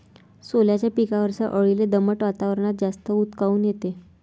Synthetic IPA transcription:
soljat͡ɕjapikaʋəɾsaʔəɭiled̪əməʈʋat̪aʋəɾəɳ̃at̪̚d͡zast̪əut̪kauːnjet̪e

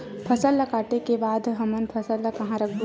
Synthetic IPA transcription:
pʰɐsəlːɐkaːʈekebaːd̪ɦɐmənpʰɐsəlːakɐɦãɾɐkʰd̪

